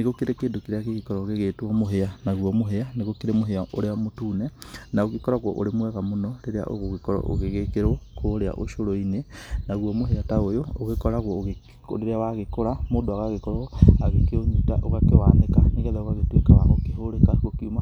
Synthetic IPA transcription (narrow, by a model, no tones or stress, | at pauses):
neɣokeɾekeːndokeɾeaɣeɣekɔɾɔɣeɣetuɔmoɦeanaɣwɔmoɦeaneɣokeɾemoɦeaʔoɾeamotuːnɛnaoɣekɔɾaɣwɔʔo̰ɾemwɛɣamonɔɾeɾea̰ʔo̰ɣoɣekɔɾɔ̰ʔo̰ɣeɣekeɾokoːɾea̰ʔo̰ʃoɾoinenaɣwɔmoɦeataojooɣekɔɾaɣɔɣḛ | ɾeɾeawaɣekoɾamoːndoaɣaɣekɔɾɔɣoaɣekeoɲitaʔoɣakewaːnekaneɣɛðɛoɣaɣetwekawaɣokehoɾekaɣokiuma